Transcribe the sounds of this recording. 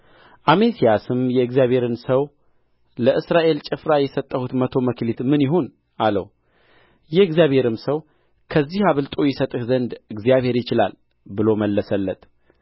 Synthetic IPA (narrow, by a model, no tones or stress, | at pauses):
ʔamesijasɨmjɛɨɡzijaβhe̞ɾɨnsəw | ləʔɨsɾaʔe̞lt͡ʃʼɪfɾajɛsət̪ʼːəhut̪mət̪ʰo̞məklit̪mɨnjɪɦon | ʔalə̰w | jɛɨɡzijaβhe̞ɾɨmsəw | kʰəzːihaβɨlt̪ʼo̞jɛsət̪ʼɨhzənd̪ɨɡzijaβhe̞ɾjɪt͡ʃɪla̰l | bɨlo̞məlːəsəlːət̪ʼ